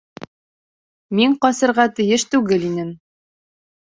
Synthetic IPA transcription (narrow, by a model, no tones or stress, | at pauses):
miɴqɒsɤ̆ɾʁɑt̪ɘ̆jɘʃt̪ʉɡɘlinɘm